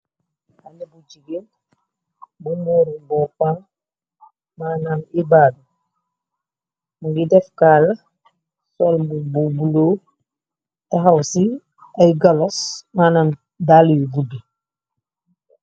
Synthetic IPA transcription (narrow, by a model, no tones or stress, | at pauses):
anibuɟiɡin | bumuɾibɔfaŋ | maːnaŋibadu | muŋɡidɛfkaːla | sɔlmbububuloː | taɦawsi | ajɡalɔsmaːnan | dalijibudi